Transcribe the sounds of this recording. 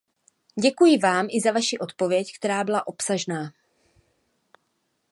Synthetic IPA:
ɟɛkujɪvaːmʔɪzavaʃiʔo̞t̪po̞vjɛckt̪ɛɾaːbɪlaʔo̞psaʒnaː

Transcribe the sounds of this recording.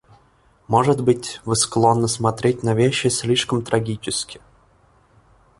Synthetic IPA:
moʐɨd̪bɨtʲvɨsklˠonːəsmat̪ɾʲetʲnavʲeɕːɪsʲlʲiʂkəmt̪ɾʔɐɡʲit͡ɕɪskʲɪ

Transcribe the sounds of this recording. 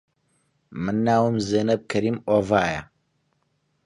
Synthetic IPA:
mɨnːaːwɨmzeːnɐb̚kʰɐɾiːmoːvaːjɐ̰

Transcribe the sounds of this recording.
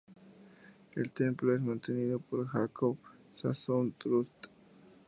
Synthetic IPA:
ḛlt̪emploes̬mãnt̪eniðopoɾxakʰoβ | sasont̪ɾust̪

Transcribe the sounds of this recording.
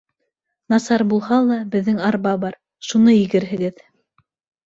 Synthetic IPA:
nɑsɑɾbulˠhɑlˠɑbɘ̆ðːɘŋɑɾβɑβɑɾ | ʃunɤjɘɡɘ̆ɾɦɘ̆ɡɘð

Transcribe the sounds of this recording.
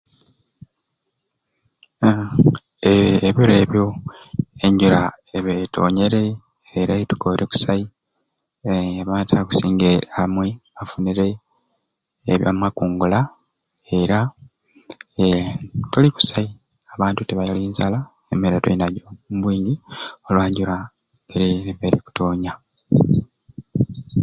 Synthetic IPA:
eːβiɾe̞ːβjo̞ | eɲɟula | eβetʰo̞̰ːɲe̞ɾe̞ː | ɾetu̥koɾeku̥sai | βatʰaku̥siːŋɡeɾamweafuniɾe̞ | βja̰mwakuːŋɡula | e̞ɾa | etoliku̥sai | aβaːntuteβajaliːnzala | emeɾetoinaɟoumbwiːɲɟio̞lwaːɲɟuɾa | eɾineβeɾiku̥toːɲa

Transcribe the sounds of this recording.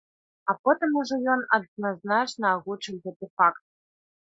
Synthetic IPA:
apot̪ɨmuʐɛjonɐd̪naznat͡ʃnɐːɣut͡ʂɨwɣɛt̪ɨfakt̪̚

